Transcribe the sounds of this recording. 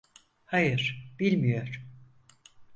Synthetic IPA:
hajɯɾ̥b̥ilʲmijo̞ɾ̥

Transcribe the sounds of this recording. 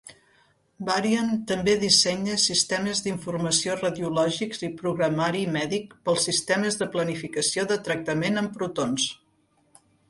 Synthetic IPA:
baɾiənt̪əmbeðisɛɲəsist̪ɛməzðiɱfurməsiorəðiulɔʒikzipɾuɣɾəmaɾimɛðikpəlˠsist̪ɛməzðəplənifikəsioðət̪ɾək̚t̪əmenəmpɾut̪ons

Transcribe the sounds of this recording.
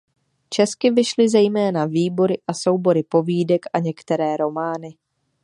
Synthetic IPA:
t͡ʃɛskɪvɪʃlɪzɛjmɛːnaviːbo̞ɾɪʔaso̞wbo̞ɾɪpo̞viːdɛkʔaɲɛkt̪ɛɾɛːɾo̞maːnɪ

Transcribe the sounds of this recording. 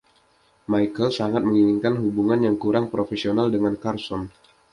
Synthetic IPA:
majkəlsaŋat̪̚məŋiniŋkanɦubuŋanjaŋkuɾaŋpɾofesionaldəŋankarsɔm

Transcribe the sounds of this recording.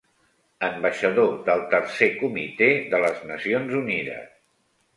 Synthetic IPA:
əmbəʃəðoðəlˠt̪əɾsekumit̪eðələznəsionzuniðə̰s

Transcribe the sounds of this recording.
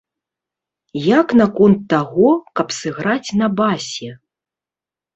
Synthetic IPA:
jaknɐkɔnt̪ːaɣɔkɐpsɨɣɾat͡sʲnɐbasʲɛ

